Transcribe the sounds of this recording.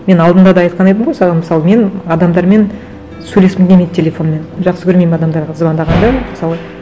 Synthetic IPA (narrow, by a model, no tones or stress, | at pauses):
me̞nɑlˠd̪ənd̪ɑd̪ɑɑjt̪̚qʰɑnejt̪əmʁojsɑʁməsɑlˠəme̞nɑd̪ɑmd̪ɑɾme̞n | sɵjle̞spmɪŋd̪ʲemejd̪̚tʲʰe̞lʲe̞fo̞nme̞nʒɑqsəkʲʰɵɾmejmɑd̪ɑmd̪ɑɾʁɑzbɑnd̪ɑʁɑnd̪ɑməsɑlˠə